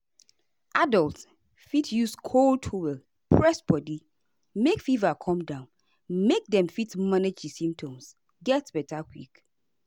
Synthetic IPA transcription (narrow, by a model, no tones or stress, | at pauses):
ʔadɔlt | fitjuskʰoltʰuwɛl | pʰɹɛsbɔdi | mekfivakʰɔ̃mdãʊ̃n | mek̚dɛ̃mfitmaned͡ʒdisĩmp̚tʰɔ̃ms | ɡɛtb̥ɛtʰakʰwik